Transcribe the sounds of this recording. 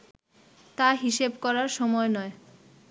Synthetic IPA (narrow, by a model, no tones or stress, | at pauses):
t̪aɦiʃebkɔɾaɾʃɔmɔenɔe